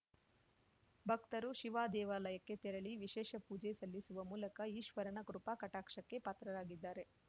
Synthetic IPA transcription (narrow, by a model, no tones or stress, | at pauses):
bʱɐkt̪ɐɾuʃiʋaːd̪ɛːʋaːlɐjɐkːe̞t̪ɛɾɐɭiʋiʃɛːʃɐpuːd͡ʒesɐlːisuʋɐmuːlɐkɐiːʃʋɐɾɐɳɐkɾupakɐʈaːkʂɐkːe̞paːt̪ɾɐɾaːɡid̪ːaːɾe̞